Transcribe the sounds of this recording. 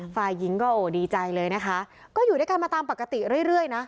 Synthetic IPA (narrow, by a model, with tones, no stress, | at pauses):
faː˨˩jːi˦˥ŋkɔː˥˩ʔoː˨˩diː˧t͡ɕa˧jlɤː˧jna˦˥kʰa˦˥ | kɔː˥˩juː˨˩daː˥˩jka˧nmaː˧t̪aː˧mpa˨˩kːa˧t̪i˨˩ɾɯ˥˩əjɾɯ˥˩əjna˦˥ʔ